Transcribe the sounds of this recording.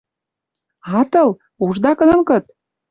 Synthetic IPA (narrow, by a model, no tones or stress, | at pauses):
ɑt̪ɤlˠ | uʒd̪ɑkɤnɤ̆mkɤt̪